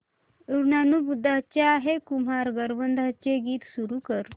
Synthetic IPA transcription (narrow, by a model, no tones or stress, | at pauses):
uɾnanubud̪ʱːat͡ɕjaːɦekum̤aɾɡəɾʋənd̪ʱat͡ɕeɡiːt̪suɾukəɾ